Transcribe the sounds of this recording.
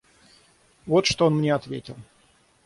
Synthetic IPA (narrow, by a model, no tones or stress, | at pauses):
vo̞t̪ʂt̪oonmnʲeɐt̪vʲetʲɪlˠ